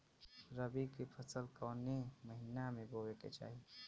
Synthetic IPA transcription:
ɾəbikepʰəsəlkəːneməɦinamebowekḛt͡ʃa̰ːɦi

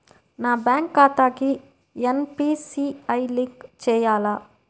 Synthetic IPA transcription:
naːbjaːŋkːaːt̪aːki | enpiːsiɐjliŋkt͡ʃɛːjaːlaː

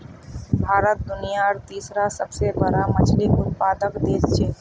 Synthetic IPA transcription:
bʱaːɾət̪̚d̪ʊnijaɾt̪iːsɾasəbsebəɾamɐt͡ʃʰlɪkʊt̪̚paːd̪əkd̪eːt̪t͡ʃʰeː

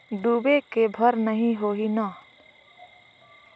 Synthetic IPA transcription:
ɖuːbekebʱəɾnəɦĩɦoːɦina

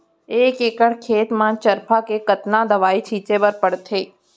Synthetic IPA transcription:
eːkeːkəɽ̤kʰeːt̪mãːt͡ʃəɾpʰakekət̪nad̪ɐʋaːit͡ʃʰiːt͡ʃepəɾpəɽt̪ʰeː

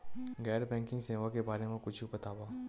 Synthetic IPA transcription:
ɡɛːɾbɛ̃ːŋkɪ̃ŋɡseːʋakebaːɾemẽkʊt͡ʃʰibɐt̪aːbaː

